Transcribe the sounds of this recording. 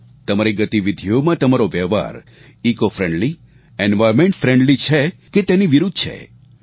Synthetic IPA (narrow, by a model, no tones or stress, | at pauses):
t̪əmaɾiɡət̪iʋid̪ʱijomãt̪əmaɾoʋjɛɦʋa̰ɾ | ikofɾɛ̃ɳɖli | ɛnʋajɾmẽɳʈfɾɛ̃ɳɖlit͡ʃʰeket̪eniʋiɾud̪̚ʱt͡ʃʰḛ